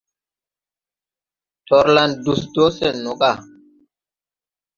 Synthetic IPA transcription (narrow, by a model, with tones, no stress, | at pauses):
tʰɔ˨ɾla˨ndu˨sdo˦sɛ˦˨nɔ˨kʼa˦˨